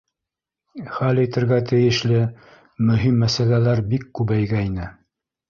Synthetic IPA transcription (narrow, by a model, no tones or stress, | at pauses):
χælĭt̪ɘ̆ɾɣæt̪ʰɘ̆jɘ̆ʃlɘ | mɵ̆ɦimːæsælælæɾbikːʉβæjɡæinɘ